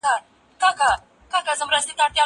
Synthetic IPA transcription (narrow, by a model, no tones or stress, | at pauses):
a | kaka | kakazəmɾəst̪it̪aɽt̪ja